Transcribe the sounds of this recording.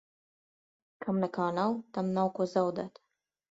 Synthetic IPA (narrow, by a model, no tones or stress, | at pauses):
kʰamlakɑːnawt̪amnawkozawd̪at̪